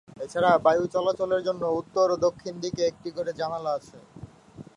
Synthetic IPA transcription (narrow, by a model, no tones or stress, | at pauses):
et͡ɕʰaɾabajut͡ɕɔlat͡ɕoleɾd͡ʑonːout̪ːoɾod̪okʰːind̪ikeek̚ʈikoɾed͡ʑanaloat͡ɕʰe